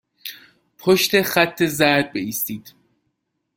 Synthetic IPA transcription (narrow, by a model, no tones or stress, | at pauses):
pʰoʃt̪e̞xæt̪ʰːe̞zæɾd̪̚beiːst̪iːd̪̥